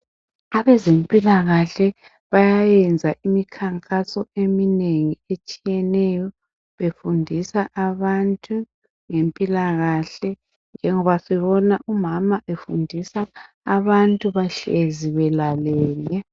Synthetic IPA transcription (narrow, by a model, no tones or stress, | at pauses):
aβɛzempʼilaɣaɬɛ | βajajɛnd͡zʱaʔimikʰaŋkʼasɔemineŋiet͡ʃʼijɛnɛjɔ | βefundʱisaʔaβantʼu | ŋempʼilaɣaɬɛ | nd͡ʒʱɛŋɔβasɛβɔnaʔumamaʔefundʱisaː | βantʼuβaɬeziβɛlalɛːlɛ